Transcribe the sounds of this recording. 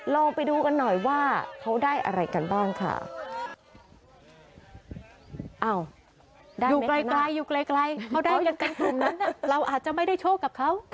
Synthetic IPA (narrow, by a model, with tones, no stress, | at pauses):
lɔː˧ŋpa˧jduː˧ka˧nːɔ˨˩jwaː˥˩kʰa˦˥wdaː˥˩jʔa̰˧ɾa˧jka˧nbaː˥˩ŋkʰa̰˥˩ | ʔa˧˩w | a˥juː˨˩˦kla˧jkla˧jːuː˨˩kla˧jkla˧jkʰa˦˥wdaː˥˧˥ja˧nka˧˩n˧˩ŋna˥nːa˥˩ɾa˧wʔaː˨˩t̪̚t͡ɕa˨˩ma˥˩jda˥˩jt͡ɕʰoː˥˩ka˨˩p̚kʰa˦˥w